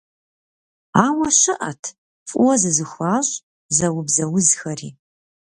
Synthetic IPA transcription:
aːwɐʃɪʔɐ̰tʰ | fʼʊwɔzɨzɨxʷaːɕʼ | zɐwʊbzɐwʊzxɐrḭː

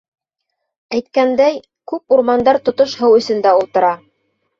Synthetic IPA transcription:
æjt̪kænd̪æj | kʉpuɾmɑnd̪ɑɾt̪ŏt̪oʃhɤwɵ̆sɵ̆nd̪æulˠt̪ɤ̆ɾɑ

